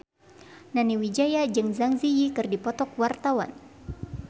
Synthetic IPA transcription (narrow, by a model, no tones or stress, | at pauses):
naniwid͡ʒajad͡ʒɨŋzaŋzijikɨrdipɔt̪ɔk̚wart̪awa̰n